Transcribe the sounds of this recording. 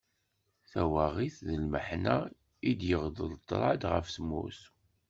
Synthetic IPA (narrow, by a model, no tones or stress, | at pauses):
θæwaʁiθðəlməħnæ | id̪jəʁðəðˤt̪ˤːɾˤɑd̪ʁə̰fθəmːʊ̰θ